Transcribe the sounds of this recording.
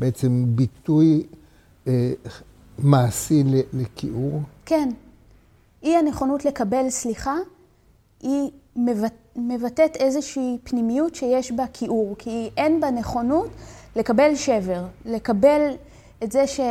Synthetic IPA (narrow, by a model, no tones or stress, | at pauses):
beet͡sembit̪uj | maːsilelekʰiʔuʁke̞n | ʔiane̞χo̞nutle̞kabe̞lsliχa | imev | me̞vatete̞zeʃiːpnimijutʃejeʃbakʰiʔuʁkʰiʔenbaneχo̞nutle̞kabe̞lʃe̞veʁle̞kabe̞l | etzeʃe